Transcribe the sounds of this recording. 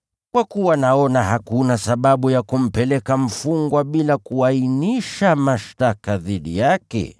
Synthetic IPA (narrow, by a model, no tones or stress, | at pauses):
kwakuwanaɔnahakunasaɓaɓujakum̩pɛlɛkam̩fuŋɡwaɓilakuainiʃamaʃtakaðiɗḭjakɛ̰